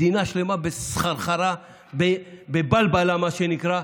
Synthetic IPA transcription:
inaʃlemabessχaɾχaɾa | bebebalbalamaʃenikɾa

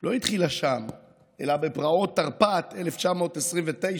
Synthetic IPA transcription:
lo̞it̪χilaʃam | ʔe̞̰labepʁao̞t̪ːaʁpat̪e̞left͡ʃamo̞ːt̪esʁimvet̪e̞j

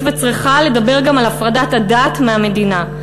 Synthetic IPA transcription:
vet͡sʁiχale̞dabe̞ʁɡamalafʁadatadaːtmeame̞dina

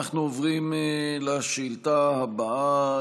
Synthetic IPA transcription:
aχnuovʁimlaʃeilt̪ahabaa

